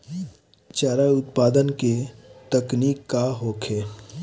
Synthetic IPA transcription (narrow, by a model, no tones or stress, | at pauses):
t͡ʃaːɾaʊt̪paːd̪ənket̪əkniːkːaɦoːkʰeː